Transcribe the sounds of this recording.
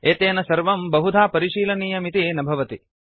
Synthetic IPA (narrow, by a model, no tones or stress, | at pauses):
eːt̪eːnɐsɐɾʋɐmbɐɦud̪ʱaːpɐɾiʃiːlɐniːjɐmit̪inɐbʱɐʋɐt̪i